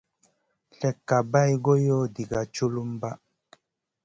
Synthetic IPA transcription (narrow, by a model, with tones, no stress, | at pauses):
ɬɛ˨kːa˨ba˦jɡo˦jɔ˦di˨ɡa˨t͡ʃu˦lu˦m˦ba˦